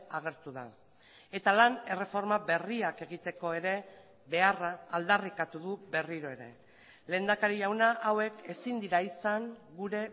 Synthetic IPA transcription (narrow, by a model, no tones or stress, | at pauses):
aɣ̞e̞ɾt̪uða | e̞t̪alane̞re̞fo̞ɾmabe̞riake̞ɣ̞it̪e̞ko̞e̞ɾe̞ | βe̞araːld̪arikat̪uðube̞riɾo̞e̞ɾe̞̰ | le̞ːnd̪akaɾiʝawnaʔawe̞ke̞sind̪iɾaisaŋɡuɾe̞